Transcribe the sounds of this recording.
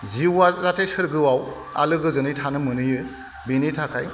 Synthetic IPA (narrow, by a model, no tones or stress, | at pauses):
ziwazatʰesɯɾɡɯwaw | a̰lɯɡɯzɯnɯjtʰanɯmɯnɯjɯ | binitʰakʰaj